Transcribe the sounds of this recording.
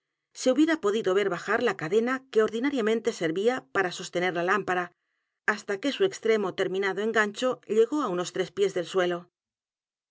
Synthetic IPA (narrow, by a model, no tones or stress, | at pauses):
se̞uβjeɾapo̞ðiðo̞βe̞ɾβaxaɾlakaðe̞nake̞o̞ɾðinaɾjamẽnt̪e̞se̞ɾβiapaɾaso̞st̪e̞ne̞ɾlalampaɾa | ast̪ake̞sue̞kst̪ɾe̞mo̞t̪e̞ɾmĩnaðoe̞ŋɡaɲt͡ʃo̞ʎe̞ɣo̞auno̞st̪ɾe̞spje̞zðe̞lswe̞lo̞